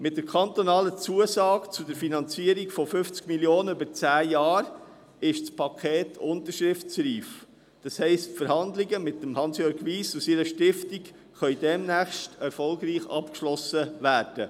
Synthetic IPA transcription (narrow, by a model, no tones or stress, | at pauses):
mɪt̚d̥əɾkʰɑnt̪ɔnɑːlət͡suəsɑːɡt͡sʊdəɾfinɑnt͡siəɾiɡfɔfʏft͡skmiljoːnəøbəɾt͡sæːjɑːɾ | ɪʃspʰɑkʰeːtʰʊntəɾʃɾɪftsɾiːf | d̥ɑshɛɪstfəɾhɑnd̪lɪɡəmɪtːəmhɑnsjøːɾɡʋiːsusɪɾəʃtɪftik | χœʏdɛmnæχʃtɛɾfɔlɡɾiːχɑ̰pkʃlɔsəʋæːɾd̥ə